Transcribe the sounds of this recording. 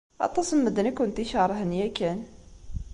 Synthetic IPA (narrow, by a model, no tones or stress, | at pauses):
ʔɑ̰t̪ˤːɑsˤəmːəd̪nækʊnt̪iʃɑɾˤɦənjækæn